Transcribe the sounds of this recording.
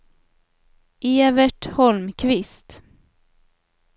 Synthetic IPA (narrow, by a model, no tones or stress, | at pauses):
ʔeːvəʈhɔlmkʰvɪst̪